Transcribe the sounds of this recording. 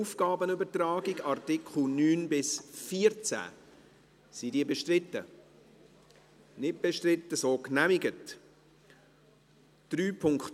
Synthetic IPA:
ufɡ̥ɑːbənøbətrɑːɡɪɡɑrtɪkχl̩nyːnbɪsfiəɾt͡sæ̰ː | sidiəbeʃtrɪtːə̰ | nɪt̚b̥eʃtrɪt̪ːəsoːknæmɪɡət | d̥ɾyːpʰʊŋkχt

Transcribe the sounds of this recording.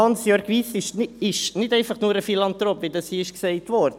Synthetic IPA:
ɑnsjøɾkʋiːsɪʃɪʃnɪdɛɪfɑχnuːɾəfilɑnt̪ɾopvɪdɑsiɪʃksɛɪtʋɔɾdə

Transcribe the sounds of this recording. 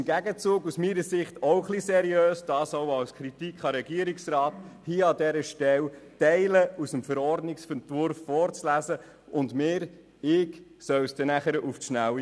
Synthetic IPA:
ɪmɡæɡət͡suːɡusmiɾəsɪχtɔwχlisɛɾiøːsd̥ɑːsoʊɑwskʰɾitikχɑɾɛɡ̥iəɾiksrɑːthiəɑdɛɾəʃtɛwtɛɪləusəmfəɾɔrdnɪksfəntvʊɾfːɔɾt͡slæzə | ʊndmɪːɾ | ɪksœwsd̥ɛnæχəɾəʔufʃnæwi

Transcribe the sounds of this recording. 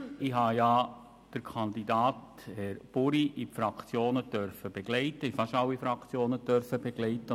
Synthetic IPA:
ɪɦɑːjɑː | d̥əɾkʰɑnd̪idɑːt | hɛɾb̥ʊɾiʔipfɾɑkt͡sjoːnətœɾfəb̥eɡ̥lɛɪtəifɑʃɑlwːifɾɑkt͡sjoːnətœɾfəb̥ɛɡ̥lɛɪtə

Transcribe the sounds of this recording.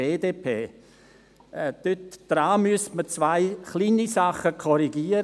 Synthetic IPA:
eːdeːpʰeː | ɛd̪̥øtd̥ɾaːmyəstmət͡svaɪχliːnisaχəkʰɔɾiɡiːəɾ

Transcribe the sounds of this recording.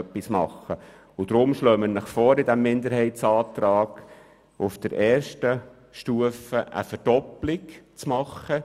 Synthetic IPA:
pːismɑ̰χːə | ʊd̥̪ɾʊmʃløːmənəχfoːɾɪd̪æmːɪnd̪əɾhɛɪtsɑːt̪ɾɑːɡ̥ | ʊfd̪̥əɾʔɛːrʃtə | ʃtuəfəʔə̰fərd̥ɔplɪkt͡smɑχə

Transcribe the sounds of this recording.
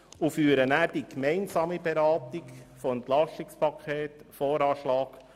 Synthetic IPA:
ufyːɾənæːɾd̥ikmɛɪnsɑːmibeɾɑːtɪkfɔɛnt̪lɑstɪkspʰɑkʰχeːtfoːɾɑːʃlɑːk

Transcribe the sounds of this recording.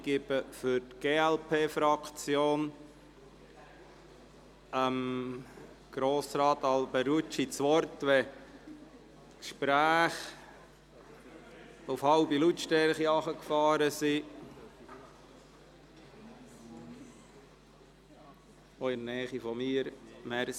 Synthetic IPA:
ɡ̥ɪbəfʏɾtɡ̥eːɛlpʰeːfɾɑkt͡sjoːn | əm | ɡ̥ɾoːsɾɑːt̪ɑlbɛɾut͡ʃit͡sʋɔɾtʋɛ | tkʃpɾæːχ | ufhɑʊbilutʃtɛɾχiɑχəkfɑːɾəsi | oɪnnɛːχifɔmiːəɾmɛɾ

